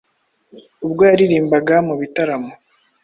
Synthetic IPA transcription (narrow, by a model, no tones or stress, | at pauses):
ub̚ɡojaɾiɾiːmbaɡamuβitaɾamo